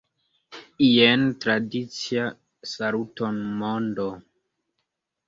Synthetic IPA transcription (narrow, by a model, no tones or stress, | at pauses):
ientɾadit͡sia | salutonmondo